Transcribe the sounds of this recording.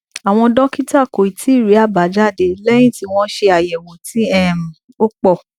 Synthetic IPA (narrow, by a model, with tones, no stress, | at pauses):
a˨w̃ɔ̃˧dɔ̃˦ki˦ta˦˨ko˨i˨tʰi˨˦˨ɾi˨˦a˦˨ba˨˦d͡ʒa˦˨de˧˨lɛ˦j̃ĩ˦˨ti˧w̃ɔ̃˧˦ʃe˧a˨jɛ˨wɔ̃˨ti˨˦ɛ˦˨m̩˨ | o˦k͡pɔ˦˨